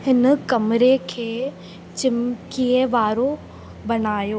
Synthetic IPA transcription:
ɦɪnkɐmɾekʰeː | t͡ʃɪmkieʋaːɾo | bɐnaːjoː

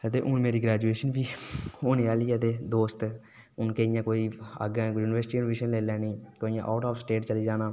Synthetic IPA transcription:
ət̪eːʔʊnmeːɾiːɡɾɛːd͡ʒueːʃənʋiːoːneaːliːət̪eːd̪oːst̪ | ʊnkeɪjãːkoːiːə̰ɡɛ̃ːkːjuːnɪʋəɾsʈiːjuːnʋeːʃənleːlɛːniːkoːijãːʔaːʈaːfsʈeːʈt͡ʃəliːd͡ʒaːnaː

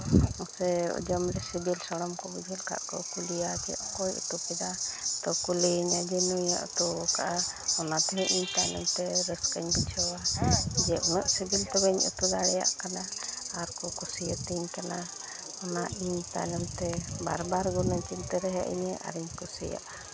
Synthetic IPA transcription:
ɔsɛɔ̰d͡ʒɔmɾɛsibilsaɽɔmkɔbɛd͡ʒɛlka̰ʔkɔkulijad͡ʒɛ̰ʔkɔjɔ̰t̪ɔpɛd̪at̪ɔkuliɲad͡ʒɛnuija̰ʔɔ̰t̪ɔkaʔa | ɔnat̪ɛɦɛʔiɲt̪alɛmt̪ɛɾəskəɲbit͡ʃʰawad͡ʒɛʔunəʔsibilt̪ɛbəɲʔɔ̰t̪ɔd̪aɽɛja̰ʔkana | aɾkɔkɔsɛjat̪iɲkana | ɔnaʔiɲt̪a̰jlɛmt̪ɛba̰ɾbaɾɡɔnət͡ʃint̪əɾɛɦɛ̰ʔḭɲɛʔa̰ɾiɲkɔsɛ̰ja̰ʔ

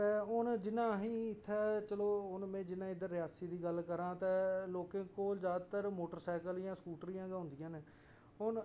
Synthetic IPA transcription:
t̪ɛːʊnd͡ʒɪnãːɦĩːɪt̪ʰːɛːt͡ʃəloːʊnmẽːd͡ʒɪnãːɪd̪əɾːɪjaːsiːd̪iːɡəlkəɾãːt̪ɛːloːkẽːkoːlzjaːd̪t̪əɾmoːʈəɾsɛːkəljãːskuːʈɾijãːɡɦʊ̃nd̪ɪjãːneː | ʊn

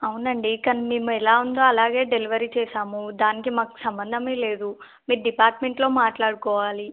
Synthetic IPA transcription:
ɐwunɐɳɖikɐnimiːmuɛlaːund̪o̞ːɐlaːɡe̞ːɖeliʋɐɾiːt͡ʃɛːʃaːmud̪aːnikimaːku̥sɐmbɐnd̪ʱɐmeːle̞ːd̪u | miːɾuɖipaːɾʈmeɳʈlo̞ːmaːʈlaːɽukɔːʋaːli

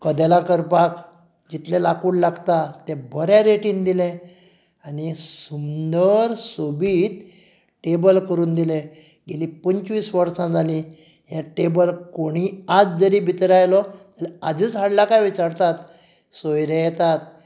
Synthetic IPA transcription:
kəd̪elãkəɾpak | d͡ʑit̪lelakuːɽlaɡt̪at̪ebʱəɾjaɾeʈiːnd̪ilẽ | aɽisund̪əɾsobiːt̪ | ʈebəlkəɾuːnd̪ile | ɡeliːpəɲt͡ɕʋiːsʋəɾsãd͡zʱali | ɦjãʈebəlkoɽ̃iad͡zd͡zəɾiːbʱit̪ɾajlɔtəlɛad͡zət͡sɦaɽlakajʋit͡ɕaɾt̪at̪ | sojɾejɛt̪at̪̚

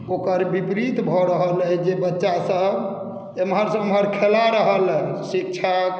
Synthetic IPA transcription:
okəɾbipɾit̪bʱɔɾəɦəlɛd͡ʒebətːʃasəb | emɦəɾsəmɦəɾkʰelaɾəɦəlɛsik̚t͡ʃʰa

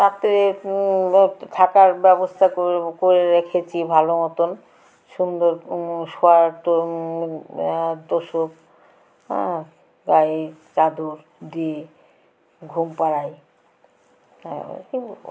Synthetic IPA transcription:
t̪at̪ːee | ʈ̪ʰakaɾbɛbost̪ʰaokoɾeɾekʰet͡ɕʰibʱalomɔt̪on | ʃund̪oɾʃoaɾt̪o | d̪oʃok̚ | ɡat͡ɕad̪ʱuɾ | d̪ie | ɡʱumpaɾaj | kio

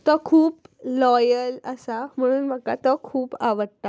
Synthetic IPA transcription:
t̪ɔkʰuːplɔjələsam̤əɽ̃uːnməkat̪ɔkʰuːpaʋəɽt̪a

